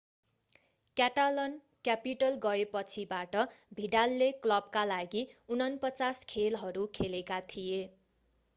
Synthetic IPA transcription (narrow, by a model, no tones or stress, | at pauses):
kjaʈalʌn | kjapiʈʌlɡʌepʌt͡sʰibaʈʌbʱiɖalːeklʌb̚kalaɡiunʌnpʌt͡saskʰelɦʌɾukʰelekat̪ʰije